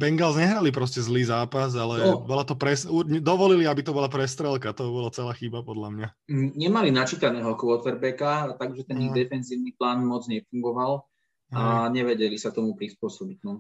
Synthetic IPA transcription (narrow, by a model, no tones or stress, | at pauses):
bɛŋɡalzɲɛɦɾalip̬ɾɔscɛzliːzaːpazalɛbɔlat̪ɔpɾɛsuɾɲd̪ɔʋɔliliabit̪ɔbɔlapɾɛst̪ɾɛlkat̪ɔbɔlat͡sɛlaːxibapɔd̪ʎamɲa | ɲɛmalinat͡ʃiːt̪anɛːɦɔkʋɔt̪ɛɾbɛkat̪aɡʒɛt̪ɛnid̪ɛfɛnziːʊniplaːnmɔd͡zɲɛfuŋɡɔʋal | aɲɛʋɛɟɛlisat̪ɔmupɾispʊɔsɔbitnɔ